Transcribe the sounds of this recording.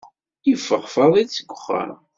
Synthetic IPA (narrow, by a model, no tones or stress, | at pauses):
əfːəʁfəðˤit͡sːəɡʷʊχːə̰ɾˤ